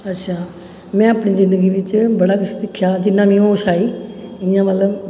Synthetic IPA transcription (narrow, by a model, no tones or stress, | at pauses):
ətːʃʰaː | mɛ̃ːəpɽiːzɪ̃nd̪əɡiʋɪt͡ʃbəɽaːkɪst̪ɪkʰːjaːd͡ʒɪnːãːmĩːõoʃaːiːɪjãːmət̪ləb